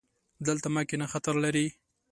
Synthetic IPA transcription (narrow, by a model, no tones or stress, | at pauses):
d̪əlt̪amakenaxat̪aɾlaɾi